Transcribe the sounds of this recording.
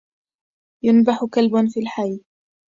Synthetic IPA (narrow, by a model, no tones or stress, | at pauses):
jʊnbaħʊkalbʊnfiːlħajː